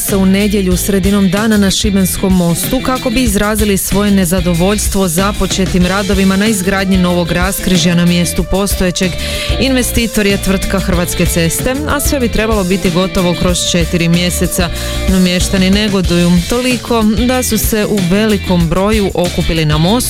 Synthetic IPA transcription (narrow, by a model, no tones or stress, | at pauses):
se̞une̞d̪je̞ʎusɾe̞d̪ino̞md̪aːnanaʃibensko̞mːo̞st̪ukako̞biːzɾaːzilisʋo̞je̞ne̞zad̪o̞ʋo̞ʎst̪ʋo̞zapo̞t͡ʃe̞t̪imɾaːd̪o̞ʋimanaizɡɾaːd̪ɲino̞ʋo̞ɡɾaskɾiʒjanamje̞st̪upo̞st̪ojet͡ɕe̞ɡ | inʋe̞st̪iːt̪o̞ɾijet̪ʋr̩t̪kaxr̩ʋat̪ske̞t̪se̞st̪e̞asʋe̞bit̪ɾe̞balˠo̞bit̪iɡo̞t̪o̞ʋo̞kɾo̞st͡ʃe̞t̪iɾimje̞se̞t̪sa | nomje̞ʃt̪anine̞ɡo̞d̪ujut̪o̞likʰo̞d̪asuse̞ʔuʋe̞liko̞mbɾo̞juʔo̞kupilinamo̞st̪